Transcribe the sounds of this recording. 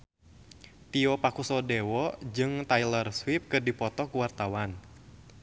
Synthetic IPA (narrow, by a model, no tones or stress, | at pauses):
t̪iɔpakusɔdɛwɔd͡ʒɨŋt̪ajlərswip̚kɨrdipɔt̪ɔkuwart̪awan